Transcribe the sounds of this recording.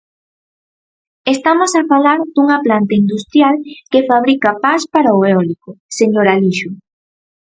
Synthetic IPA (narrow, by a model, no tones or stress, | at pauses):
est̪amosafalaɾd̪uŋaplant̪aind̪ust̪ɾjalkefaβ̞ɾikapaspaɾaoeɔlikʊseɲoɾaliʃʊ